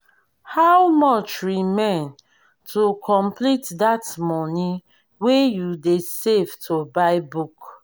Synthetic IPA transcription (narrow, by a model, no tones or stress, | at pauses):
hawmɔt͡ʃɹimẽn | tʰokʰɔ̃mplitdatmɔni | wejudesevtʰobaɪbuk